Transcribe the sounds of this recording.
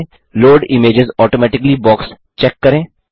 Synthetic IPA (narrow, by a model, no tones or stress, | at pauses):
loːɖɪmeːd͡ʒɪzɔːʈoːmɛːʈɪklibɔːks | t͡ʃɛːkːɐɾẽː